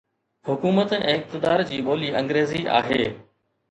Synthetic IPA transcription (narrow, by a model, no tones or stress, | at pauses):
hʊkuːmət̪ɛ̰̃ːɪk̚t̪ɪd̪aːɾd͡ʑiːɓoːliːɐ̃ŋɡɾeːziʔa̰ːɦeː